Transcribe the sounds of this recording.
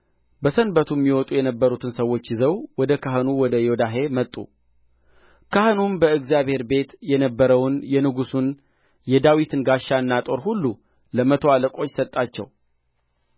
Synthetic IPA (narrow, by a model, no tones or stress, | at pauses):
bəsənbət̪ʰumːiwɔt̪ʼujɛnəbːəɾut̪ʰɨnsəwːo̞t͡ʃːjɪzəwwɔd̪əkʰaɦɨnuwɔd̪əjod̪aɦe̞mət̪ʼːṵ | kʰahnumbəɨɡzjaβhe̞ɾbe̞t̪jɛnəbːəɾəwnjɛnɨɡusun | jɛd̪awit̪ʰɨnɡaʃːaɨnːat̪ʼo̞ɾhulːu | ləmət̪ʰo̞aləkʼo̞t͡ʃːsət̪ʼːat͡ʃːɛ̰w